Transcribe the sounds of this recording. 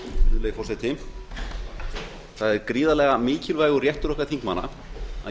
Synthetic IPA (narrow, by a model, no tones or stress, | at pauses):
ʏleːjfɔrsajt̪ɪ | θaðɛɾkɾiːðalɛɣamɪːcɪlvaːjɣʏrjɛht̪ʏɾɔhkaɾθiŋ̥kma̰nːa̰ | a̰